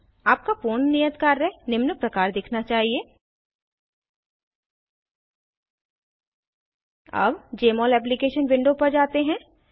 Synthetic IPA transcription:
aːp̚kafoːnːijət̪kaːɾːɛɦnɪmnəpɾɐkaːɾd̪ɪkʰnat͡ʃaːɦieː | ɐ̰bd͡ʒeːmɔːlɛːp̬likeːʃənʋɪ̃ɳɖopɐɾd͡ʒaːt̪eɦɛ̃

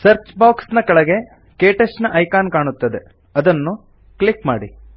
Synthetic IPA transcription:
sɐɾt͡ʃbaːksnɐkɐɭɐɡe̞ | keːʈɐʃnɐʔɐjkaːnkaːɳut̪ːɐd̪e̞ | ɐd̪ɐnːu | kɭikmaːɽi

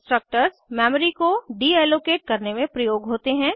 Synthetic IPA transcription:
sʈɾək̚ʈəɾsmɛːməɾikoɖiɛːloːkeːʈ̚kɐɾnemẽpɾɐjoːɡɦoːt̪eɦɛ̃ː

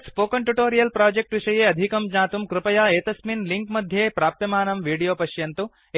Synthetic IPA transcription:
spoːkɐɳʈuʈoːɾijɐlpɾaːd͡ʒek̚ʈʋiʂɐjeːɐd̪ʱikɐmd͡ʒaːt̪umkɾɪpɐjaːeːt̪ɐsminliŋkmɐd̪ʱjeːpɾaːp̚t̪ɐmaːnɐmʋiːɽijoːpɐʃjɐnt̪u

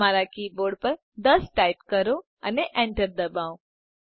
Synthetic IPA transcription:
aɾakiboɾɖpəɾ | d̪əsʈajpkəɾõ | əneʔɛɳʈəɾd̪əbaõ

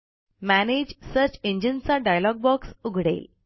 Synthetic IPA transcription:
mæned͡ʑsəɾt͡ɕeɲd͡ʑənt͡saɖajlɔɡ̚bɔksuɡʱɽḛːl

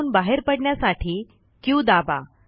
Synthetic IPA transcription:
uːnbaɦeɾpəɽɳjasaʈʰiː | kĩũd̪aba̰

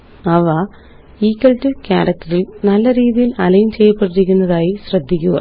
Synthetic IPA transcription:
ɐʋɐ | iːkːɐltːɨkʲa̰ːɽɐk̚tɐrilnɐlːɐɾiːðijilɐlɐjumt͡ɕejːɐpːeʈːiɾikʲːunːɐðaːjiɕrɐd̪ʱːikʲːuɣɐ̰

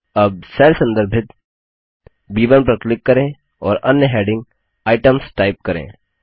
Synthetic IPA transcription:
ɐb̚sɛːlsə̃nd̪əɾbʱɪt̪ | biːʋənpɾəklɪkːɐɾẽ | ɔːɾɐnjəɦɛːɖɪ̃ŋɡ̚ | aːɪʈəmsʈaːɪp̚kɐɾḛ̃ː

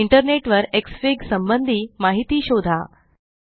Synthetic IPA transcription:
iɳʈəɾneʈʋəɾeksfiɡsəmbənd̪ʱiːmaɦit̪iːɕod̪ʱa̰

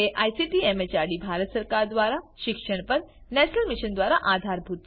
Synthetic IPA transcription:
eʔaːjsiʈiemet͡ɕaɾɖibʱaɾət̪səɾkaːɾd̪ʋaːɾaʃɪkʃəɽ̃pɐɾnɛt͡ɕnəlmɪʃənd̪ʋaːɾaʔad̪ʱaːɾbʱuːt̪̚

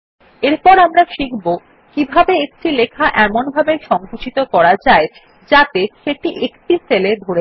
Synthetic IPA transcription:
eɾpɔɾamɾaʃikʰbo | kibʱabeek̚t͡ɕʰilekʰaʔɛmonbʱabeɾʃɔŋkut͡ɕit̪okɔɾad͡ʑae | d͡ʑat̪eʃeʈiʔekʈiseled̪ʱoɾe

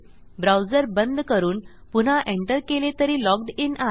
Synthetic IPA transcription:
bɾawd͡zəɾbənd̪kəɾuːnpun̤aʔeɳʈəɾkelet̪əɾiːlɔk̚ɖina

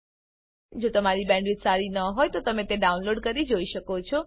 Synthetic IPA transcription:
d͡ʒot̪əmaɾibɛ̃ɳɖʋit̪saɾinəɦojt̪ot̪əmẽt̪eɖaunloɖkəɾid͡ʒoiʃəkot͡ʃʰɔ

